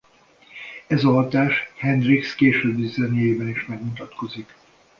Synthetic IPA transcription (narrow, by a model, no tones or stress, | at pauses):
ɛzɒɦɒt̪aːʃhɛnd̪rikskeːʃøːbːizɛnjeːbɛniʃmɛɡmut̪ɒt̪ko̞zik